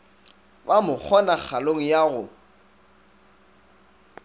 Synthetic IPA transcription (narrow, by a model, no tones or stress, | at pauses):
bamʊk͡xʰɔnak͡xʰaloŋ̩jaɣʊ